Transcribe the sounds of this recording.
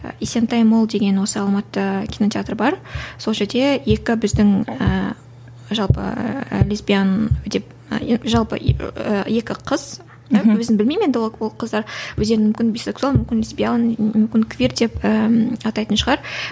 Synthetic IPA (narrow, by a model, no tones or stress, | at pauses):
isent̪ɑjmolˠd̪e̞ɡʲe̞nwo̞səɑlˠmɑt̪ːəkʲʰino̞t̪ʲʰjat̪rbɑɾso̞lˠʒe̞ɾd̪e̞je̞kʲɪbɪzd̪ɪŋə | ʒɑlˠpə̰lʲesbʲijand̪e̞p | ʒɑlˠpə̰əje̞kʲɪqʰəz̥ | wɵzɪnbɪlmejmed̪ɪwowo̞lˠqʰəzd̪ɑɾwɵzd̪e̞ɾmʏmkʲɪnbʲise̞ksualˠmʏmkʲɪnlʲesbʲijalˠnmʏmkʲɪnkʰʲvʲirt̪̚d̪e̞pəɑt̪ɑjt̪ənʃəʁɑɾ